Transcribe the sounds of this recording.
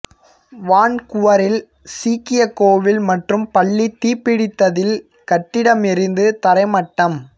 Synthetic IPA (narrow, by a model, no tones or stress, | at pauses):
ʋaːɳkʊʋɐɾɪl | siːkɪjɐkːoːʋɪlmɐʈrɯmpɐɭːit̪iːpɪɽɪt̪ːɐðɪl | kɐʈːɪɽɐmɪɾɪnd̪ɯt̪ɐɾɐɪmɐʈːɐm